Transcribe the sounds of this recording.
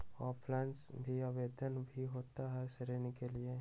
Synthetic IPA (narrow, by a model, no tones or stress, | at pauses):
ɔːɾplɛ̃ːnʈsbʱiaʋeːd̪ənbʱiɦoːt̪aɦɛsəɾeːnikelie